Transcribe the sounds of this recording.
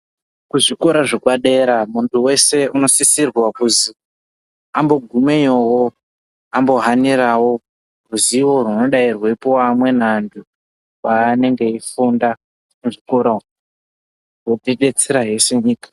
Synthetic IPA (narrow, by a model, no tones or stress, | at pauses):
kuʐiko̞ɾaʐekwaɗe̞ɾamuntʰuwe̞se̞uno̞sisirwakuzi | ambo̞ɡʱumejowo | ambo̞ɦaniɾawo | ruziwo̞runo̞ɗairwepoamwe̞nandu | waːne̞ŋɡe̞ifunda | muʐiko̞ɾa | woteɗe̞t͡seɾaɦe̞se̞ɲiːkḁ